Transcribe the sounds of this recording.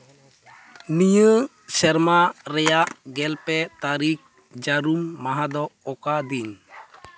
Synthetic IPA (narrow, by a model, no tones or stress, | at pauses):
nijə | sɛɾmaɾɛjaʔɡɛlpɛt̪aɾik̚ | d͡ʒaɾumːaɦad̪ɔɔkad̪iɲ